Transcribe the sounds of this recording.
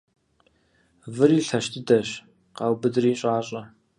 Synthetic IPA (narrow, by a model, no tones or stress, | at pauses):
vɨɾiːɬɐʃtʰɨdɐɕ | qɑːwbɨdɨriːɕʼaːɕʼɐ